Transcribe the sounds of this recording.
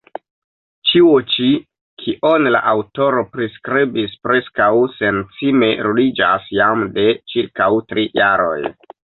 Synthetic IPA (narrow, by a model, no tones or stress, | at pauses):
t͡ʃiot͡ʃi | kʰiʔonla̰ʔawto̞ɾo̞pɾiskɾibispɾe̞skawse̞nt͡sime̞ɾulid͡ʒasjamde̞t͡ʃiɾkawtɾijaɾo̞̰j